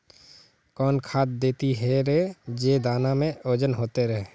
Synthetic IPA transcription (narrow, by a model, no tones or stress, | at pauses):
kɔːnkʰaːt̪̚d̪eːt̪iɦɛɾɛd͡ʒeːd̪aːnamẽoːd͡ʒənɦoːt̪eɾɛɦe